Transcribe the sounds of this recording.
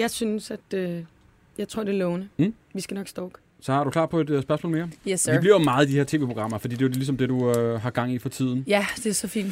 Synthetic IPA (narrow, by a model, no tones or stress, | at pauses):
jɑ̈ɪsynsæd̥ø | jɑ̈ɪt͡sʰo̝ɐd̥e̝lɔːʊnə | ʋisɡ̥ænɒ̽ɡ̥sd̥ɒːɡ̥ | sɒ̽hɑ̈ɾukʰlɑ̰̈ːdpʰɒ̽e̝d̥sb̥ɶɐsmɔ̰ːlmeːɐjɛsʋibliɐmɑ̈ːð̩ˠid̥iheɐt͡sʰe̝ːʋepʰʁo̝ɡ̥ʁɑ̈m̰ɐfɒ̽d̥ḭːd̥e̝ʊdelisɒ̽md̥e̝duøɦɑ̈ɡ̥ɑ̈ŋ̰ifɒ̽t͡sʰið̞̰ˠn̩jæd̥e̝æsɒfḭːn̥